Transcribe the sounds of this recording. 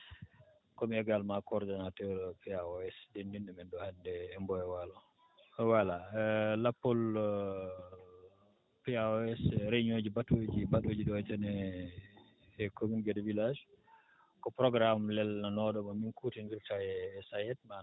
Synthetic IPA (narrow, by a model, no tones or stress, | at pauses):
kɔmiɛɡalmakɔɾdinatɔɾpɛaɔɛsdendindɛmɛndɔhandɛːmbɔjɛwalɔ | walalapːɔl | piaɔɛsɾeɲod͡ʒibatod͡ʒibatod͡ʒiɗɔɛtɛnɛ | kominɡɛdvilad͡ʒ | kɔpɾɔɡɾamlɛlnanɔɗɔmaminkutinɡiɾtajɛsajɛt̚ma